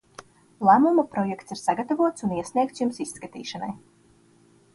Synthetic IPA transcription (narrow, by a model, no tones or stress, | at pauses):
lˠæmumapɾɔjɛkt̪siɾsaɡat̪avuɔt̪suniɛsniɛk̚t̪sjumsiskat̪ḭːʃana̰j